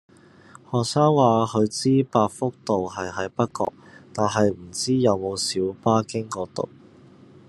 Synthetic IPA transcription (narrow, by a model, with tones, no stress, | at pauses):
hɔː˨k̚saː˥ŋwaː˨hɵ˨˧ɥt͡siː˥paː˧k̚fʊ˥k̚t̪o˨wɦɐ˨jɦɐ˨˥jpɐ˥t̚kɔ̰ː˧k̚t̪aː˨nɦɐ˨jm̩˨˩t͡siː˥jɐ˨˧wmo˨˧wsiː˨˥wpaː˥kɪ˥ŋkɔː˧t̪ʊ̰˨w̚